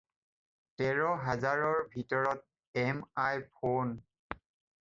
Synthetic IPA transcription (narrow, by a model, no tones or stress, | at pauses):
tɛɹɔɦazaɹɔɹbʱitɔɹɔt̚ | ɛmajpʰon